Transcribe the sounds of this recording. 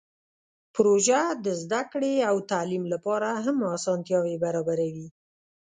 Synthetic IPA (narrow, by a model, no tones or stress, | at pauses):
pɾoʒad̪əzd̪akɽeawt̪alimlapɑɾaɦamɑsɑnt̪jɑwebaɾɑbaɾawi